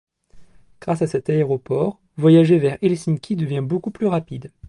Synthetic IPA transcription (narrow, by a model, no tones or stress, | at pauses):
ɡ̥ʁasasɛt̪aeʁɔpɔːʁ | vwajaʒevɛʁɛlsinkʲʰid̪əvjɛ̃bokuplyʁapid̪